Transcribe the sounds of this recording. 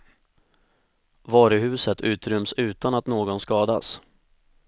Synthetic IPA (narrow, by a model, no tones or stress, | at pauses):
vɑːɾɵɦʉ̟ːsət̪ʰʉ̟ːt̪ɾʏmsʉ̟ːt̪anat̪noːɡɔnskɑːd̪a̰s